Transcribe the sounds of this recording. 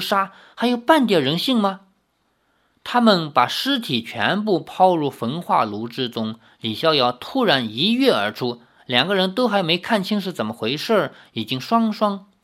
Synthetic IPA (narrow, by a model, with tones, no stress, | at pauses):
ʂa˥ | xa˧˥ɪjo˨˩ʊpa˥˩nt̪jɛ˨˩ɻə˧˥nɕi˥˩ŋmɐ˧ | t̪ʰa˥mə˨npa˨˩ʂɻ̩˥t̪ʰi˨˩t͡ɕʰɥɛ̰˧˥np̬u˥˩pʰɑ˥˧ʊɻu˥˩fə˧˥nxwa̰˥˩lu˧˥ʈ͡ʂɻ̩˥t͡sʊ˥ŋ | li˨˩ɕjɑ˥˧ʊjɑ˥˩ʊt̪ʰu˥ɻa˧˥ni˧˥ɥɛ˥˩ə̰˞˧˥ʈ͡ʂʰu˥ | ljɑ˨˩ŋɡə˦ɻə˧˥nt̪o˥ʊxa˧˥ɪme˧˥ɪkʰa˥˩nt͡ɕʰi˥ŋʂ̬ɻ̩˥˩t͡sə˨˩nmə˦xwe˧˥ɪʂə˥˩i˨˩t͡ɕi˥ŋʂwɑ˥ŋʂwɑ˥ŋ